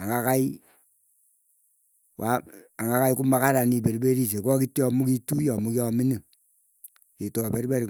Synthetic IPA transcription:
aŋɡakai | wʔaaŋɡakaikumakaɾanibeɾbeɾis̬ekɔkitːɔmukitujɔmukɔmini | itɔbeɾbeɾi

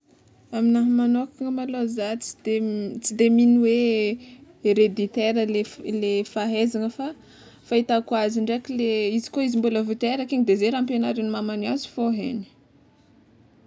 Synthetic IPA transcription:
aminaɦmanokiŋəmalozat͡si̥d̪̥et͡sid̪eminiwe | eɾed̪it̪eɾəlelefaɦezaŋəfa | fait̪akwaziɳɖ͡ʐeakileizi̥koizimbuləvut̪eɾakiɲd̪ezeɾampjonaɾinimamaniazi̥foɦḛni̥

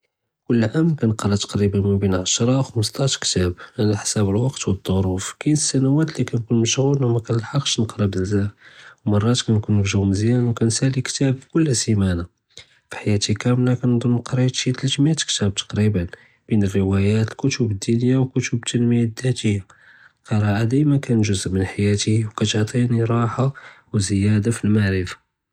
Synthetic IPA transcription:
kʊlːʕamlkænəqɾˤɑt̪ɑ̥qɾibənməbinʕaʃɾˤɑwxəməs̬t̪ˤɑʃkt̪æbʕanæħsæbəlwɑqt̪wəd̪ˤːoɾˤufkænəsːænæwæt̪likænkunməʃɣulmækænəlħɑqːʃnəqɾˤɑb̪əlzæwmɑrˤːɑt̪kænkunːəɾʒawməzjænwkænsælikt̪æbkʊlːsimæna | fi̥ħajæt̪ikæmlakænd̪ˤolːqɾit̪ʃit̪əlʒəmjat̪ə̥kt̪æb̚t̪ɑ̥qɾibən | b̥inərːəwæjæt̪lkʊt̪ʊbəd̪ːunjawkʊt̪ʊbt̪ːənməjad̪ːæt̪əjːa | kɑɾˤɑʕad̪ijmækænʒʊzʔmənħajæt̪iwkæt̪ʕt̪ˤiniɾˤɑħa | wzəjæd̪afilmaʕɾəfḁ

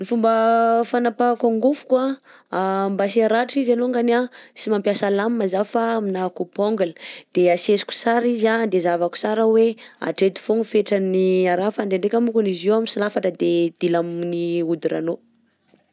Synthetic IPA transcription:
nifumbəfanapakaŋɡufu̥ka | mbasiaɾaʈ͡ʂizaloŋɡanasimampjasalamimazafaːminakupoŋɡələ̥d̪̥easesu̥ku̥saɾizand̪ezavaku̥saɾəwea̰ʈ͡ʂet̪u̥fuŋufeʈ͡ʂaniaɾafaɳɖ͡ʐeɳɖ͡ʐekʲamukunizewamisilafaʈ͡ʂəd̪ed̪̥ilamniud̪iɾa̰no

